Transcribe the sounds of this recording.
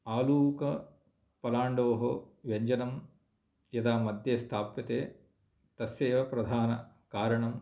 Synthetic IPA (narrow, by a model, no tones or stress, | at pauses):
aːluːkɐ | pɐlaːɳɖoːɦɐʋeɲd͡ʒɐnɐm | jɐd̪aːmɐd̪ʱjeːst̪ʰaːpɐt̪eː | t̪ɐsjeːʋɐpɾɐd̪ʱaːnɐ | kaːɾɐɳɐm